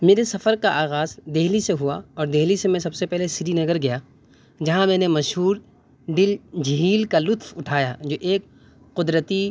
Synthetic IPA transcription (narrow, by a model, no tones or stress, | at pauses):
meːɾesɐfəɾkaʔaːɣaːzd̪eːɦliseɦua̰ɔːɾd̪eɦlisemẽsɐbsepɛɦlesɪɾinɐɡəɾɡɐjaː | d͡ʒɐɦãmɛ̃ːnemɐʃɦuːɾ | ɖɪld͡ʒɦiːlkalʊt̪fʊʈʰaːjad͡ʒoːʔeːk̚ | qʊd̪ɾət̪i